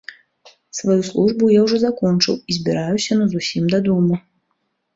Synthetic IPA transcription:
svajuslˠuʐbujawʐɔzakɔnt͡ʂɨ̰wizʲbʲiɾajusʲɐnɐzusʲimd̪ɐd̪umɨ

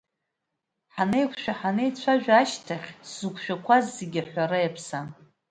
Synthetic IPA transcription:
ħanejkʷʰʃᶣaħanejt͡ɕʷʰaʒᶣaʃtʰaχʲszukʷʰʃᶣakʷʰazːeɡʲiħʷaɾajapʰsan

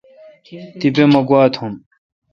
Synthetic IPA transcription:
t̪ibemɐɡwaːt̪ʰhum

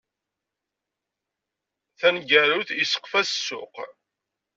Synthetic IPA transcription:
θænɡæɾuθisə̥qːfæssːʊ̰q

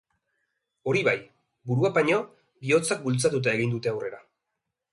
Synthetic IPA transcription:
o̞ɾiβaj | buɾuapaɲo̞ | bio̞t͡sak̚bult͡sat̪ut̪̬ae̞ɣind̪ut̪e̞awre̞ɾa

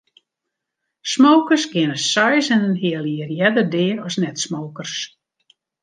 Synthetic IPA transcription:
smowkərsɡɪnəsɔjsɛnənɦɪəlˠiərjɛdərdɪːəɾɔsnɛtsmoːkərs

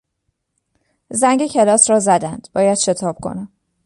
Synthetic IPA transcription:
zæŋɡecʰe̞lɒːsɾɒːzæd̪ænd̪̥bɒːjæd̪̥ʃe̞t̪ʰɒːb̥̚kʰo̰næm

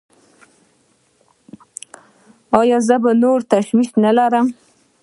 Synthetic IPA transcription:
ɑjɑzəbanoɾt̪aʃwiʃnalaɾəm

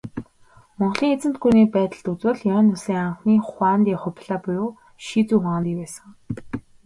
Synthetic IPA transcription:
mɔɴɢ̆ɮiːŋet͡sɘ̆nt̪̚ɡuniːpæːt̪ə̆ɮt̪ut͡swɘ̆ɮjɔːnːʊsiːŋaɴχniːχʷaːnt̪iːχʊpʲɮaːpujoː | ʃiːt͡suːχant̪iːkpæːsə̆ŋ

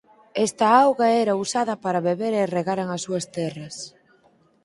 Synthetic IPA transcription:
ɛst̪ɐawɣɐɛɾɐusaðɐpaɾɐβeβeɾereɣaɾaŋɐsuɐst̪ɛrɐs

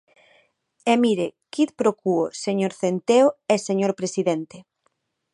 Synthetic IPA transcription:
emiɾekiðpɾokuoseɲoɾθent̪eoɛseɲoɾpɾesiðent̪e

